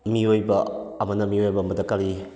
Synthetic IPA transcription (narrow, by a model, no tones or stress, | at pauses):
miojbɐːmɐnɐmiojbɐmɐdɐkaɾi